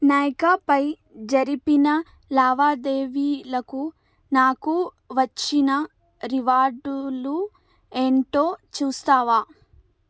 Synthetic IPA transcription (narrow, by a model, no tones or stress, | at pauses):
naːjkapɐj | d͡ʒɐɾipinɐ | laːʋaːd̪eːʋiːlɐku | naːku | ʋɐt͡ʃːinɐ | ɾiʋaːɾɖulu | e̞ːɳʈo̞ːt͡ʃuːst̪aːʋaː